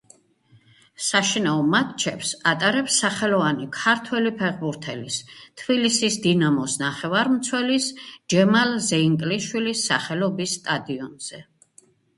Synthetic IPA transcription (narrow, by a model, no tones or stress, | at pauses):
saʃinaɔmat̪̚t͡ʃʰɛpsat̪ʼaɾɛpsaχɛlɔvanikʰaɾt̪ʰwɛlipʰɛʁbuɾt̪ʰɛlist̪ʰbilisisd̪inamɔsnaχɛvaɾmt̪sʰwɛlisd͡ʒɛmalzɛiŋkʼliʃwilisːaχɛlɔbisːt̪ʼad̪iɔnz̥ɛ